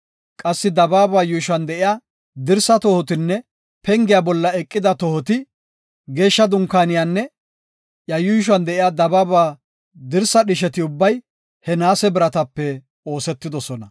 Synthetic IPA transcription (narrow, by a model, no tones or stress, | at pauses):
kʼɐsːɪd̪ɐbaːbaːjʊjʃʊɐnd̪ɛʔɪjaː | d̪ɪɾsɐt̪ɔhɔt̪ɪnːɛ | pɛŋɡɪjaːbɔlːɐɛkʼːɪd̪ɐt̪ɔhɔt̪ɪ | ɡe̞ːʃːɐd̪ʊŋkːaːnɪjaːnːɛ | jɐjuʃ̬ʊɐnd̪ɛʔɪjaːd̪ɐbaːbaː | d̪ɪɾsɐɗɪʃɛt̪ɪʊbːɐj | hɛnaːsɛbɪɾɐt̪ɐpːɛ | o̞ːsɛt̪ːɪd̪ɔsɔnɐ